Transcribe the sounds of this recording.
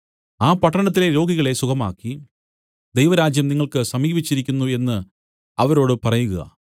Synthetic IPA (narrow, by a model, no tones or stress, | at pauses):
aːpɐʈːɐɳɐt̪̬ːile̞ɾo̞ːɡiɣɐɭe̞sukɐma̰ːkːi | d̪ejʋɐɾaːd͡ʑjɐmniŋːɐɭkɨsɐmiːbit͡ɕːiɾikʲːunːue̞nːɨ | ɐʋɐɾo̞ːɽɨpɐrɐjuɣɐ̰